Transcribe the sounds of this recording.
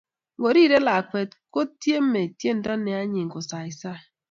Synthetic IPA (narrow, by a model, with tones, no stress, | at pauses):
ŋ̩˨o˨ɾi˦˨ɾe˦la˨kʷe˨t̚ko˦tje˦m̩˦me˨tje˦n̩˦dɔ˦ne˨a˦ɲi˨ŋ̩˨kʊ˨sa˨i˨sa˦